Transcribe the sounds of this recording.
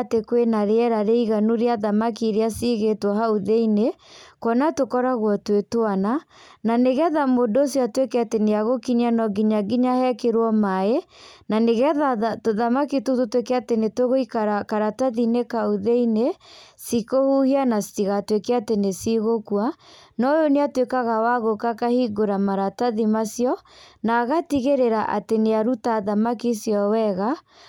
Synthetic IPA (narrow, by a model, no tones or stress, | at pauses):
tekwenaɾeɛɾaɾeiɣanuɾeaðamakiɾeasiɣetwɔɦauðeine | kɔnatokɔɾaɣwɔtwetoanananeɣɛðamodoosiatwekeateneaɣokiɲianɔɡiɲaɡiɲahɛkeɾwɔmaenaneɣɛðatoðamakitototwekeatenetoɣoikaɾakaɾataðinekaoðeinesikohuhianasi̥tiɣatwekɛatenesiɣokwanɔjoneatwekaɣawaɣokakahiɡoɾamaɾataðimasjɔnaːɣatiɣeɾeɾaʔateneaɾutaðamakisjɔwɛɣa